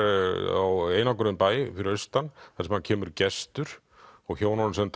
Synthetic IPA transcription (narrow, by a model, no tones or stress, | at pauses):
aweːjnakʏɾʏnpaːjɪfɪɾɪɾœst̪anːθasɛmhancʰɛːmʏɾcɛst̪ʏɾ̥ | ɔɣçoːwnansɛmt̪